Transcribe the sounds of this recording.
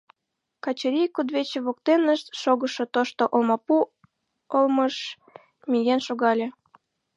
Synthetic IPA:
kɑt͡ɕeɾʲijkud̪βet͡ɕeβok̚t̪enəʃt̪ʃoɣəʃot̪oʃt̪oʔolmɑpu | olməʃ | mijenʃoɣɑlʲe

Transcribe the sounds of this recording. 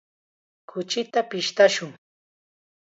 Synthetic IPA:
kʰʊt͡ʃɪt̪apɪʃt̪aʃʊŋ

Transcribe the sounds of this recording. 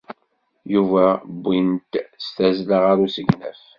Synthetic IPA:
juvæbːint̪st̪æzlaʁaɾusəɡnæ̰f

